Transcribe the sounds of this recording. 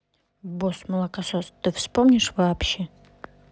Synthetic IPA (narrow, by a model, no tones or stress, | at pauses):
bosmɨlˠakasost̪ɨfspomnʲɪʂvaːpɕe